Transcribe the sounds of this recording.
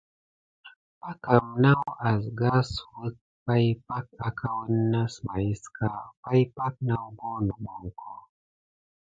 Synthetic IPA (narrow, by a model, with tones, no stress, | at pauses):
pa˦ka˨mna˦wa˨zɡa˦su˨wə˦k̚ | pa˦jpa˦k̚a˨ka˦wə˦nːa˦sma˨ji˦ska˦pa˦jpa˦k̚na˦wɡo˦no˨ɓo˨ŋkʰo˦